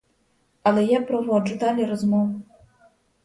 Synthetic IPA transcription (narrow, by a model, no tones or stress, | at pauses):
ɐlʲɛjapɾɔvɔd͡ʒud̪alʲɛɾɐzmɔv